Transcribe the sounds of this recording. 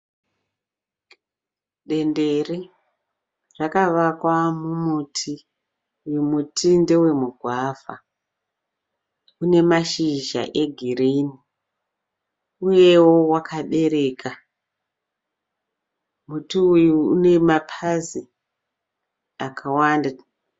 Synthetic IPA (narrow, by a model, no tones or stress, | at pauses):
ɗe̞nderi | rakaʋakwamumutʰi | wemutʰinde̞we̞muɡʱwavʱa | une̞maʃiʒa̰ʔe̞ɡʱirini | uje̞wo̞wakʰaɓe̞ɾe̞ːkʰa | mutiujuṵne̞mapʰazi | akʰawaːnda